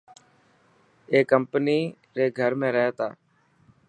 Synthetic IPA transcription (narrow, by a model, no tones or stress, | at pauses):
eːkəmpniː | ɾeːɡʱəɾmẽːɾəɦeːt̪aː